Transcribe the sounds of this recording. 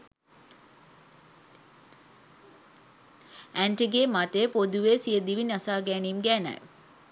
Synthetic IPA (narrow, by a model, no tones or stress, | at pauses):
ænʈiɡeːmat̪ejəpod̪uʋeːsijəd̪iʋinasaːɡɛniːmɡæːna̰j